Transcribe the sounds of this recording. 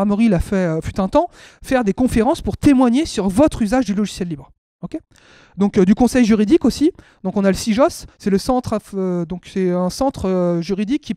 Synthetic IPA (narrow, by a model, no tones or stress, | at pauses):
ʁmɔʁilafɛøfyt̪ɛ̃t̪ɑ̃ | fɛʁd̪ekɔ̃feʁɑ̃spuʁt̪emwaɲesyʁvɔt̪χyzaʒd̪ylɔʒisjɛlːibʁ | ɔkʲe | d̪ɔ̃kd̪ykɔ̃sɛjʒyʁid̪ikosid̪ɔ̃kɔ̃naləsiʒɔsːɛləsɑ̃t̪χafød̪ɔ̃ksɛɛ̃sɑ̃t̪χʒyʁid̪ikʰʲːi